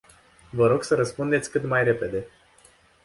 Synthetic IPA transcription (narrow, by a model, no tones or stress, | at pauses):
vəɾo̞ɡsəɾəspund̪et̪sʲkɨt̪majre̞pe̞d̪e̞